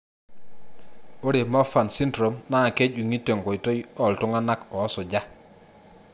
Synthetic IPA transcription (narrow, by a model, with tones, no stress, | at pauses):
o˦ɾe˨mɔ˦fa˨nsi˦ndɾo˨mna˦˨ke˦d͡ʒu˨ŋi˦te˨ŋɡo˨i˨to˦jɔ˦˨ltʊ˦ŋa˦na˦kɔ˨˦sɔ˨d͡ʒa˦